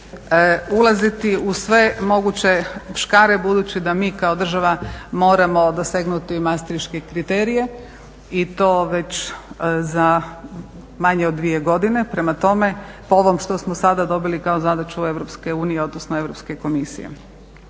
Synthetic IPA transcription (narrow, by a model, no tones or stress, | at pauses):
ulˠazit̪iusʋe̞mo̞ɡut͡ɕe̞ʋʃkaːɾe̞bud̪uːt͡ɕid̪amiːkao̞d̪r̩ʒaʋamo̞ːɾamo̞d̪oseɡnut̪imast̪ɾiʃke̞kɾit̪eːɾije̞ | it̪o̞ːʋe̞t͡ɕ | za | maɲeod̪ʋije̞ɡo̞d̪ine̞pɾe̞mat̪o̞me̞pooʋo̞mʃt̪o̞smosad̪ad̪o̞bilikaozad̪at͡ʃue̞ʋɾopske̞uːnijeo̞d̪nosnoe̞ʋɾo̞pske̞ko̞misḭjḛ